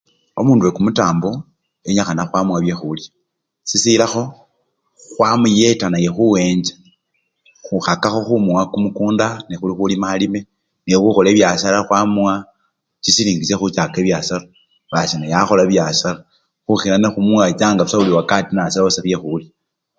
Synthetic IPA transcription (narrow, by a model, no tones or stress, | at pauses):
o̞muːnduwekumutaːmbo | eɲaxanaxwamuwaβjexulja | sisilaxo̞ | xwamujetanajexuwe̞ːɲd͡ʒḁ | xuxakaxo̞xumuwakumukuːndanexulixulimalime | nexuxoleːβjasalaxwamuwa | t͡ʃisiliːŋɡisexut͡ʃakeβjasala | βasinajaxo̞laβjasala | xuxilanexumuwat͡ʃaːŋɡaβusauliwakatinasaosaβjexulja